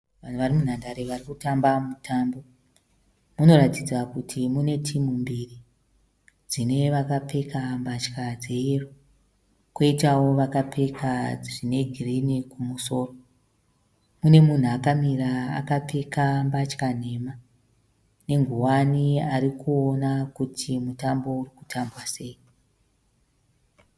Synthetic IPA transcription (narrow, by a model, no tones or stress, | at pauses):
ʋan̤uʋarimun̤andaɾeʋarikutambamutʰambo̞ | muno̞ɾatid͡zakutʰimune̞tʰimumbiri | d͡zine̞ʋakap͡fe̞kambat͡ʃkad͡zeero | koitawo̞ʋakape̞kʰaʐine̞ɡʱirinikumuso̞ːro | mune̞mun̤uakamiɾaa̰kap͡fe̞kambat͡ʃkan̤e̞ma | ne̞ŋɡʱuwaniaɾikuo̞nakutʰimutambo̞urikutʰambwase̞ːi